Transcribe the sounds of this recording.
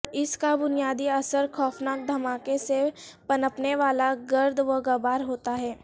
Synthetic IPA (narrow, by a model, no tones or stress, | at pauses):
ɪskabʊnijaːd̪iɐsəɾxɔːfnaːk̚d̪ʱɐmaːkesepɐnəpneʋaːlaɡɐɾd̪ʱʋɐɡəbaːɾɦoːt̪aɦɛː